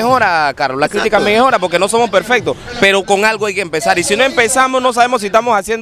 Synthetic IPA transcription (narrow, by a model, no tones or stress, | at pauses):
xo̞ɾakaɾloslakɾit̪ikamexo̞ɾapo̞ɾkeno̞so̞mo̞spe̞ɾfe̞k̚t̪ospe̞ɾo̞ko̞ŋalɣoajkeːmpe̞saɾisino̞e̞mpe̞samosno̞s̬aβe̞mo̞s̬iest̪amo̞sasje̞nd